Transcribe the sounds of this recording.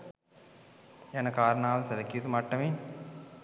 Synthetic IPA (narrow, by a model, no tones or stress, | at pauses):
janɐkaːɾɐnaːʋɐlɐsɐlɐkijut̪umaʈːɐme